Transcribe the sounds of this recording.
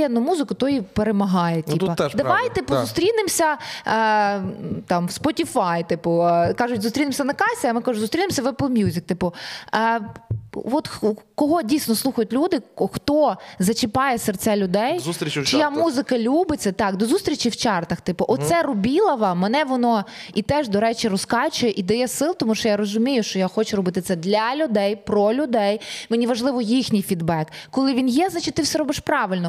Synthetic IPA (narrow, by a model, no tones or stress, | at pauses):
ɛd̪nʊmuzɪkʊt̪ɔjipeɾemɐɦɑjɛt̪ʲipɐd̪ɐʋɑjt̪ɪpʊzʊst̪ɾʲinɪmsʲɐ | t̪ɑmʋspɔtʲifɑjt̪ɪpʊkɑʒʊtʲzʊst̪ɾʲinɪmsʲɐnɐkɑsʲɛɐmɪkɑʒʊzʊst̪ɾʲinɪmsʲɐʋɛplˠmʲjuzʲɪk̚t̪ɪpʊ | ʋɔt̪kɔɦɔdʲijsʲnɔslˠuxɐjʊtʲlʲud̪ɪxt̪ɔzɐt͡ʃɪpɑjɛsɛrt̪sɛlʲʊd̪ɛjsɾt͡ʃɪjamuzɪkɐlʲubɪt͡sʲːɐt̪ɑkd̪ɔzust̪ɾʲit͡ʃiwt͡ʃɑrt̪ɐxt̪ɪpɔʔɔssɛrɔbʲilˠɐʋɐmenɛʋɔnɔ | it̪ɛʒd̪ɔɾɛt͡ʃʲiɾɔskɑt͡ʃʊjeʔid̪ɐjɛsɪlˠt̪ɔmuʃt͡ʃɔjaɾɔzʊmʲijʊʃt͡ʃɔjaxɔt͡ʃʊɾɔbɪt̪ɪt̪sɛd̪lʲɐlʲʊd̪ɛjpɾɔlʲʊd̪ɛjmenʲiʋɐʒlˠɪʋɔjixnʲijfʲid̪bɛkːɔlˠɪʋʲinjɛznat͡ʃɪ̥t̚ʲt̪ɪfsɛɾɔbɪʃpɾɑʋɪlʲnɔ